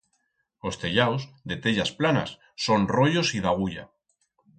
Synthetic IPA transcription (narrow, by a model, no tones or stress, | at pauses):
ost̪e̞ʎawsðe̞t̪e̞ʎasplana̰sːo̞nrojosiðaɣ̞uʎa̰